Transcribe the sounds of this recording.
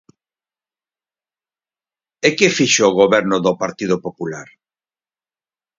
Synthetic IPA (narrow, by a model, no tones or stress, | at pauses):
ekɪfiʃːɣ̞oβɛɾnʊðʊpaɾt̪iðopopulaɾ